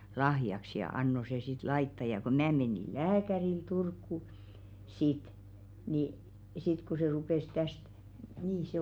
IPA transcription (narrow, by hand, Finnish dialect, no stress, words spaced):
lɑhjɑks jɑ ɑnːo se sit lɑitːɑ jɑ ko mn̆æː meniˑ læːkæril turkːu sit ni sit ku se rupeˑs tæst niː se